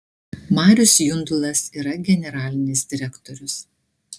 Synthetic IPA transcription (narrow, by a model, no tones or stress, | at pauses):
mɑːɾʲʊsjʊnd̪ʊlˠɐsiːɾɐɡʲɛnʲɛɾɑːlʲɪnʲɪsd̪ʲɪɾʲɛkt̪ɔɾʲʊs